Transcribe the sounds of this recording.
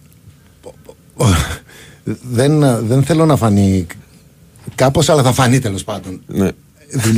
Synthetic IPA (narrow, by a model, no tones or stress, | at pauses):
ðenðe̞nθe̞lo̞nɐfɐni | kɐpo̞sɐlɐθɐfɐnit̪e̞lo̞spɐnd̪o̞n | ðuʎ